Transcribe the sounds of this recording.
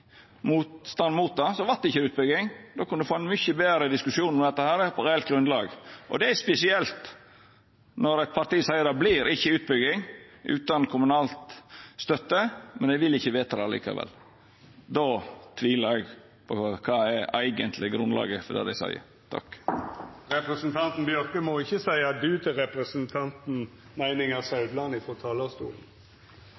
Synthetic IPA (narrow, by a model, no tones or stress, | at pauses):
muːt̪st̪ɑnmuːt̪̚d̪ɑsɔʋɑɾt̪̚d̪ɛɪçːəʉːt̪̚bʏɡɪŋd̪oːkʊnd̪ɛfoːæɪnmʏçəbeːɾəd̪ɪskʉsɪuːnɔmɛd̪ɛt̪ːəhæːɾpʰɔɾeːɛl̚ɡɾʉnd̪lɑːɡʔɔ̰d̪ɛæspɛsɪɛlt̪ | nɔɾæt̪̚pʰɑɾt̪iːsæɪəd̪ɛblɪɾʔɪçːəʉːt̪̚bʏɡɪŋʔʉ̰ːt̪ɑnkʰʊmʉnɑːlt̪st̪œt̪ːəmɛnæʋɪlɪçːəʋeːt̪ɑd̪ɛɑlḭːkɑ̰ʋɛ̰l | d̪oːt̪ʰʋiːləɾæɡ | pʰɔkʰɑːæɾæɪɡənt̪ʰlɪɡɾʉnlɑ̰ːɡəfɔd̪ɛ̰d̪æɪsæ̰ɪə̰ | t̪ʰɑ̰k | ɾɛpɾɛsnt̪ʰɑnt̪n̩bjœɾkəmoɪçːəsæɪɑd̪ʉːt̪ʰɪlɾɛpɾəsənt̪ʰɑnt̪n̩ | mæɪnɪŋɑsɑʉd̪lɑnɪfɔt̪ʰɑːlɑst̪ṵːln̩